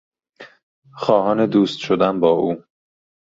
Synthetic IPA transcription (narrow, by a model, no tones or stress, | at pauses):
xɒːhɒːned̪uːst̪ʃod̪ænbɒːʔuː